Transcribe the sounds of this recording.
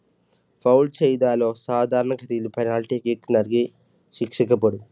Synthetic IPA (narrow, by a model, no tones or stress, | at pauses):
pʰɐwlt͡ʃɛjd̪aːlo̞ːsaːd̪ʱaːɾɐɳɐkɐt̪ilupɐjnaːlʈiːkiknɐɾɡi | ʃikʂikɐpɐɽu